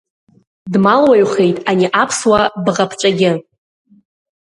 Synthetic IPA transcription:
dmalwajχejtʼaniʔapʰswabʁapʰt͡ʃʷʼaɡʲɪ

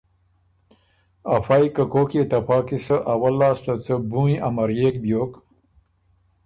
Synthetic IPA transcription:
afajkəkoːket̪apɑːkisəʔawalːɑːst̪ət͡səbuĩʔamaɾjeːkbjoːk

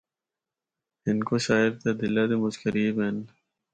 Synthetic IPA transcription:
ɪnkoʃaːɪɾt̪ad̪ɪlad̪emʊd͡ʒkəɾiːben

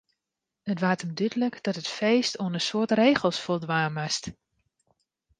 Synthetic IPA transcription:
ətʋaːtəmdydələkd̥ɔtətfeːstʰoənəsoətreːɣəlˠsfolˠdʋaːmast

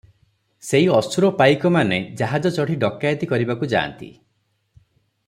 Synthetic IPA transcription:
seiɔsuɾɔpajkɔmaned͡ʒaɦad͡ʒɔt͡ʃɔɽ̤iɖɔkːajɔt̪ikɔɾibakud͡ʒa̰ːnt̪ḭ

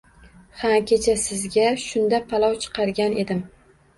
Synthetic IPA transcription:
hakʲʰet͡ʃʰasɪzɡʲaʃʊnd̪apʰalˠɒwt͡ʃʰɨ̥qʰɑɾɡʲanʔe̞d̪ɪm

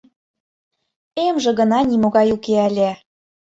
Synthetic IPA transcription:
emʒĕɣɤ̆nɑnimoɣɑjukeælʲæ

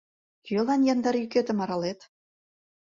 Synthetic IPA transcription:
kølɑnjɑnd̪ɑɾjyket̪ə̆mɑɾɑlet̪

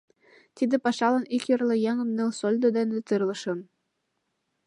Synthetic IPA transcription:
t̪id̪ɘ̆pɑʃɑlɤ̆nikjɤ̆rlɤ̆jɑŋɤ̆mnelsolʲd̪od̪enĕt̪ɯrlˠɤ̆ʃɤ̆m

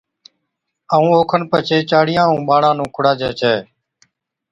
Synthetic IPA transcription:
əːũːoːkʰənpət͡ʃʰeːt͡ʃaːɽɪjãːũuːɓaːɳãːnũːkʰʊɽaːd͡ʒɛːt͡ʃʰɛː

